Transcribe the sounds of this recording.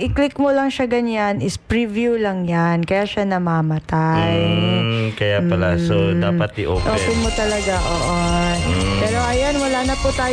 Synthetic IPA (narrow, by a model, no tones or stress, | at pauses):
ʔɪklɪkmolɐŋʃaɡɐɲanʔɪspɹivjulɐŋjankɐjaːʃanɐmamɐt̪aj | kɐjapɐlasod̪aːpɐt̪ɪʔo̰kʔoːkɛmot̪ɐlɐɡaʔoːʔo | pɛːɾoʔɐjanwɐlaːnɐpʊt̪aː